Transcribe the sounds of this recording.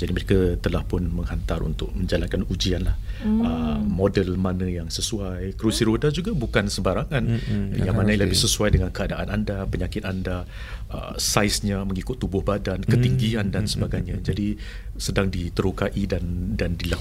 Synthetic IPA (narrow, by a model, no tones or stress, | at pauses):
d͡ʒadiməɾekat̪əlahpʊnməŋhant̪aɾṵnt̪ʊk̚məɲd͡ʒalankanud͡ʒianlahəmɔdəlmanə̃jaŋsəsuajkɾusiɾodad͡ʒuɡabukansəbaɾaŋãnjaŋmanaləbɪsəsuajdəŋankəadaʔanandapəɲakɪt̪anda | ə̰sajsɲaməŋikʊt̪ːubʊhbadankət̪iŋɡiandansəbaɡajɲad͡ʒadi | sədaŋdit̪əɾukaʔidandandila